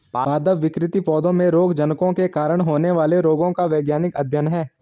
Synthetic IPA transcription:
aːd̪əʋʋɪkɾɪt̪ipɔːd̪õmẽɾoːɡd͡ʒɐnkõkekaːɾəɽ̃ɦoːneʋaːleɾoːɡõkaʋeːɡjaːnɪkɐd̪ʱjənɦɛː

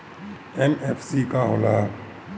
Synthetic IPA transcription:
ɛmɛːfʰsiːkaɦolaː

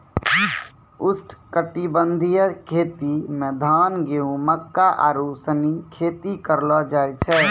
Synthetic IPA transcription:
ʊsʈʰkəʈibənd̪ʱijəkʰet̪imẽd̪ʱaːnɡeũməkːaʔaɾusənikʰeːt̪ikəɾlɔd͡ʒajt͡ʃʰɛ

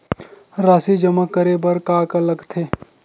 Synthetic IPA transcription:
ɾaːsid͡ʒəməkːəɾebɐɾkaːkɐləɡt̪ʰeː

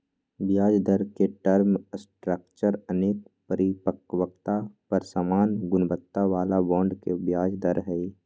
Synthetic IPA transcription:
bjaːd͡ʒd̪əɾkeʈəɾmsʈɾək̚t͡ʃəɾəneːk̚pəɾɪpəkwək̚t̪apɐɾsaːmaːnɡʊnbət̪ːaʋaːlabɔ̃ːɳɖkebjaːd͡ʒd̪əɾɦɛi

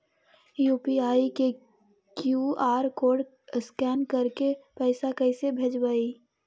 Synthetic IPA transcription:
juːpiaːike | kjuaːɾkoːɖ | skɛːnkəɾkepəɪsakəɪsebʱed͡ʒbaːi

